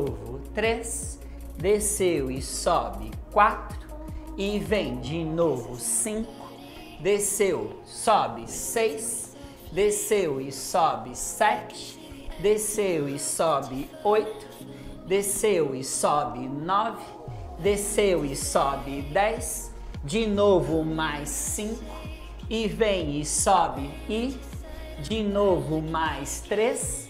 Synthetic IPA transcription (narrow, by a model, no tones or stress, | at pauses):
ovʊt̪ɾes | d̪esewɪsɔbɪ̰kwat̪ɾʊɪvẽj̃d͡ʒɪnovʊsĩkʊ̥ | d̪esew | sɔbɪsejs | d̪esewɪsɔbɪsɛt͡ʃɪ̥ɪ̥ | d̪esewɪsɔbɪ | ojt̪ʊ̥ | d̪esewɪsɔbɪnɔvɪ | d̪esewɪsɔbɪd̪ɛjs | d͡ʒinovʊmajsĩŋkʊ | ɪvẽj̃ɪsɔbɪ | i | d͡ʒinovʊmajst̪ɾes